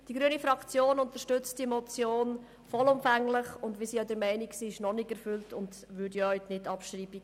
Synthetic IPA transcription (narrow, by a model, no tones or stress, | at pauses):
d̥iɡɾyənifɾɑkt͡sjoːnʊntəɾʃtʏt͡std̥imɔt͡sjoːn | fɔlʊmfæŋlɪχʊndvʋisijɑdəɾmɛɪniksiːɪʃnɔnɪɡɛɾfʏltʰʊnd | ʋʏɾdijɔytnɪtːɑpʃɾiːbi̥